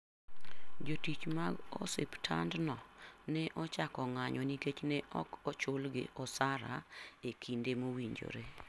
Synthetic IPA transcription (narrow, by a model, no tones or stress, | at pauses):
d͡ʒotit͡ʃmaɡɔ̰sḛptʰa̰ndnɔnɛʔɔt͡ʃakɔŋaɲɔniket͡ʃnɛʔɔ̰kɔt͡ʃʊlɡɪ̰ʔɔsaɾa̰ekʰindemowiɲd͡ʒo̰ɾe